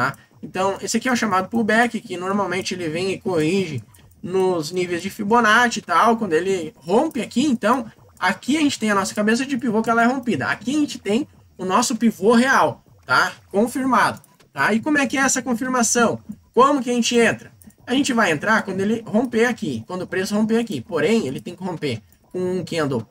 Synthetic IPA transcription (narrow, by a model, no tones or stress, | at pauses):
t̪a | ẽnt̪ɐ̃w̃esɪakiɛwʃamad̪ʊpʊɾbɛkɪkɪnoɾmawmẽnt͡ʃɪelɪvẽj̃ɪkohiʒɪ | nʊznivejzd͡ʒɪfibonat͡ʃɪt̪awkwɐ̃nd̪ʊelɪhõmpɪakiẽnt̪ɐ̃w̃ | akiaʒẽt͡ʃɪt̪ẽj̃ɐnɔsɐ̥kabes̬ɐd͡ʒɪpivokɪɛlɐɛɦõmpid̪ɐa̰kiaʒẽnt͡ʃɪ̥t̪ẽj̃ | ʊnɔsʊpivoɦeaw | t̪akõfiɾmad̪ʊ | t̪aɪkõmʊɛkɪɛɛsɐkõfiɾmasɐ̃w̃kõmʊk̬ɪɐʒẽnt͡ʃɪẽnt̪ɾɐaʒẽnt͡ʃɪvajẽnt̪ɾaɾkwɐ̃nd̪ʊelɪhõmpeakikwɐ̃nd̪ʊpɾesʊhõmp̬eakipoɾẽj̃elɪt̪ẽj̃kɪhõmpe | kõũkẽɐ̃nd̪o